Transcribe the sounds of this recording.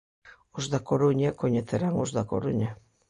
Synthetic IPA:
ozðakoɾuɲakoɲeθeɾaŋozðako̰ɾuɲa

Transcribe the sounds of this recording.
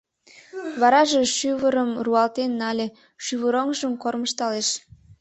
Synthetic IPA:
βɑɾɑʒeʃyβəɾəmruɑlt̪enːɑlʲe | ʃyβəɾoŋʒəmkorməʃt̪ɑleʃ

